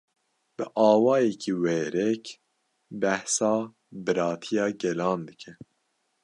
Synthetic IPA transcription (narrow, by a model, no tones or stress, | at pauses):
b̥ɨʔɑːwɑːjɛkʰiːwɛːɾɛk | bæhsɑː | bɨɾɑːt̪ʰijɑːɡɛlɑːnd̪ɨkʰɛ